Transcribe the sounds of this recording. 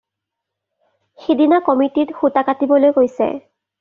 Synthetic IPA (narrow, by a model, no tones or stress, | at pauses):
xidinakɔmititxutakatibɔlojkojsɛ̰